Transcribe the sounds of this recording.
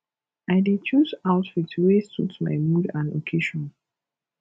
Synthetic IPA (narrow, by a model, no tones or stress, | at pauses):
aɪdet͡ʃuzaʊtfitʰwestutma̰ɪmudãno̰kʰeʃɔ̃n